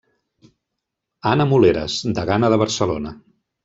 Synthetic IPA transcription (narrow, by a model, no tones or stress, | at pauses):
anəmuleɾə̰zd̪əɣanəðəβ̞əɾsəlonə